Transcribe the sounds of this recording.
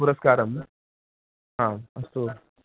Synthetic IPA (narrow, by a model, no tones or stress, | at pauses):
puɾɐskaːɾɐm | ɦãɐso